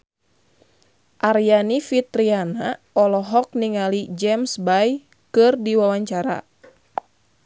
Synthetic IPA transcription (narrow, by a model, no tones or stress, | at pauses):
ʔaɾjanifit̪ɾiana | ɔlɔɦɔk̚niŋalid͡ʒɛmsbaj | kɨrdiwawaɲt͡ʃaɾa̰